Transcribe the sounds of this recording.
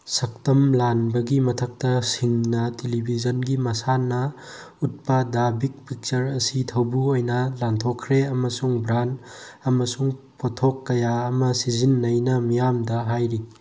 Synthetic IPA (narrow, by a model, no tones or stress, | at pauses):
sɐk̚tɐmlanbɐɡimɐtʰɐk̚tɐsiŋnɐtelibʱizɐnɡimɐsanɐ | ut̚pɐdabik̚pʰik̚t͡ʃɐɾɐsitʰɐwbuojnɐlantʰokʰːɾeɐmɐsuŋbɾanːmɐsuŋ | potʰokːɐjaɐmɐsizinːɐjnɐmijamdɐɦajɾi